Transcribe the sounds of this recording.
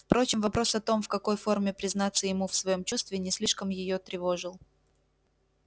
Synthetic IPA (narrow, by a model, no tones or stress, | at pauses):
fpɾo̞t͡ɕɪmvɐpɾo̞sɐt̪o̞mfkɐko̞jfo̞rmʲɪpɾʲɪznat̪sːəjɪmufsvɐjo̞mt͡ɕust̪vʲɪnʲɪsʲlʲiʂkəmjɪjo̞t̪ɾʲɪvo̞ʐɨlˠ